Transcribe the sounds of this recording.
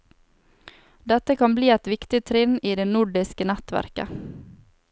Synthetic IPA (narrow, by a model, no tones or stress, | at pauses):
d̪ɛt̪əkʰɑnbliːɛt̪ʋɪkt̪ɪt̪ʰɾɪniːd̪eːnʊɖɪskənæt̪ʋæ̰ɾkə̰